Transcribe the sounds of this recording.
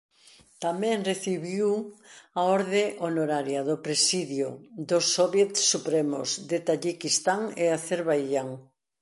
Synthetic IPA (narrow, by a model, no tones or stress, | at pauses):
t̪amɛ̃ŋreθiβiwaɔɾðeʔonoɾaɾjɐðʊpɾesiðjod̪osɔβjet̪supɾemo̰zd̪et̪aʎikist̪aŋeaθeɾβajʎaŋ